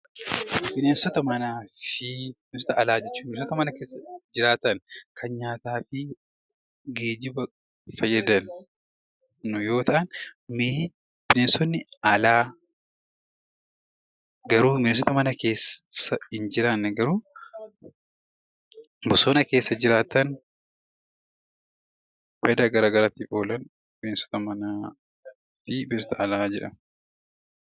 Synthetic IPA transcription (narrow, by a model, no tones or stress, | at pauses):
bɪneːnsɔt̪ɐmɐnaːfɪbɪneːnsɔt̪ɐʔɐlaːd͡ʒɛt͡ʃːuːbɪensɔt̪ɐmɐnɐkeːsːɐd͡ʒɪɾaːt̪ɐnkʰɐnɲaːt̪aːfɪ | ɡe̞ːd̪ɪbɐ | fɐjːɐd̪ɐn | ʊjo̞ːt̪ɐʔɐnme | b̥ɪneːnsɔnːɪɐlaː | ɡɐɾuːmɪnɪs̬ɔt̪ɐmɐnɐke̞ːssːɐɪnd͡ʒɪɾanːɛɡɐɾuː | bʊsoːnɐke̞ːsːɐd͡ʒɪɾaːt̪ːɐn | fɐjɐd̪aːɡɐɾaːɡɐɾaːt̪ːifo̞ːlɐn | bɪnesɔ̥t̪ɐmɐnaː | fɪbɪsɔt̪ɐɐlaːd͡ʒɛᶑɐ̰m